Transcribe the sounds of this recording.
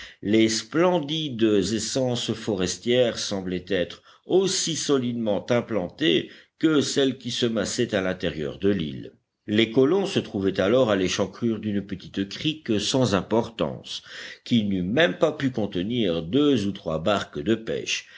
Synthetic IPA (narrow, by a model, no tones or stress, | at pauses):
lesplɑ̃d̪id̪əzɛsɑ̃sfɔʁɛst̪jɛʁsɑ̃blɛt̪ɛt̪χ | osisɔlid̪mɑ̃t̪ɛ̃plɑ̃t̪ekəsɛlkʲisəmasɛt̪alɛ̃t̪ɛʁjœ̰ʁd̪əlḭl | lekɔlɔ̃sət̪χuvɛt̪alɔʁaleʃɑ̃kχyʁd̪ynpət̪i̥t̪kχiksɑ̃zɛ̃pɔʁt̪ɑ̰̃skʲinymɛmpapykɔ̃t̪əniʁd̪øzut̪χwabaʁkd̪əpɛ̰ʃ